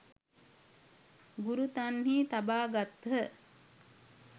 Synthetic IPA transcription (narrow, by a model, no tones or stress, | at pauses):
ɡuɾut̪anhiːt̪abaːɡat̪ɦə